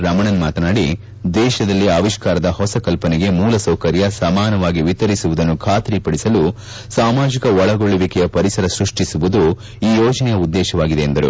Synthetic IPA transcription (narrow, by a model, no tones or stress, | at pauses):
ɾɐmɐɳɐnmaːt̪ɐnaːɽi | d̪ɛːʃɐd̪ɐlːiaːʋiʃkaːɾɐd̪ɐhɔsɐkɐlpɐnɛɡe̞muːlɐsɐwkɐɾjɐsɐmaːnɐʋaːɡiʋit̪ɐɾisuʋud̪ɐnːukʰaːt̪ɾipɐɽisɐlu | saːmaːd͡ʒikɐɔɭɐɡoɭuʋikɛjɐpɐɾisɐɾɐsɾuʂʈisuʋud̪u | iːjɔːd͡ʒɐnɛjɐud̪ːɛːʃɐʋaːɡid̪eːnd̪ɐɾṵ